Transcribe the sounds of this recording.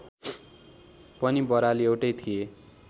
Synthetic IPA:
pʌnibʌɾaliewʈʌjt̪ʰie

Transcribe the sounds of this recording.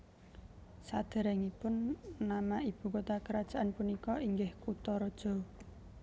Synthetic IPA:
sad̪̥ɛ̤ɾɛŋipʊnːamaʔib̥ṳkot̪akəɾad̥ʒ̥aʔanpunikɔiŋɡɪhkut̪ɔɾɔd̥ʒ̥ɔ̤

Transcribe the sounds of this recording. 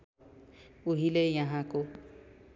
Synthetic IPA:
uɦilejaɦãko

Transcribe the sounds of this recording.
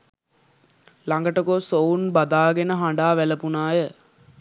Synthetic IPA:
laŋɡəʈəkosounbad̪aːɡenəɦaɳɖaːʋæləpunaːjə

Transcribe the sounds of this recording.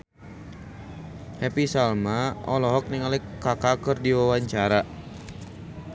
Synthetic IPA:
hɛpisalmaɔlɔɦɔk̚niŋalɛkːakakərdiwawaɲt͡ʃaɾa

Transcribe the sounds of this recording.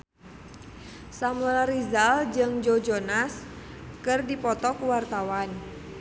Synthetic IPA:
samulaɾizald͡ʒɨŋd͡ʒod͡ʒonas | kɨrdipɔt̪ɔkuwart̪awan

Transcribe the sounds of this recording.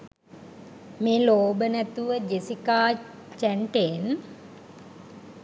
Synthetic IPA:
meːloːbənæt̪uʋəd͡ʒesikaː | t͡ʃæɳʈen

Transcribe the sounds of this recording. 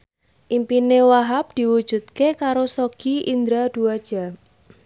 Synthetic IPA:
ʔimpinewaɦap̚d̪̥i̤wud̥ʒ̥ṳt̪̚kekaɾosoɡ̥iind̪ɾad̪̥uad̥ʒ̥a̤

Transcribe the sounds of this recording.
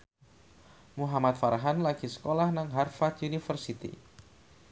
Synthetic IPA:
muɦamat̪̚faɾɦanlaɡ̥isə̥kolahnaŋɦarfat̪junifərsit̪ḭ

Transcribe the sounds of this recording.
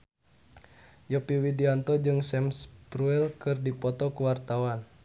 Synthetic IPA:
jɔpiwidiant̪ɔd͡ʒɨŋsɛmspɾuɛlkɨrdipɔt̪ɔkuwart̪awan

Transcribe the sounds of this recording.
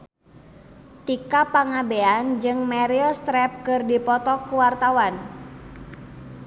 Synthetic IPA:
t̪ikapaŋabeand͡ʒɨŋmɛɾilst̪ɾɛp̚kɨrdipɔt̪ɔkuwart̪awan

